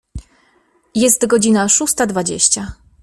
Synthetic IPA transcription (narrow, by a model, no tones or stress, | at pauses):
jɛst̪ɡɔd͡ʑinaʂust̪ad̪vad͡ʑḛɕt͡ɕa